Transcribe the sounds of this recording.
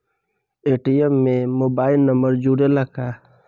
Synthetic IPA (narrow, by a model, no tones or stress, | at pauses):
eʈijəmːẽmoːbaːɪlnəmbəɾd͡ʒuɽeləka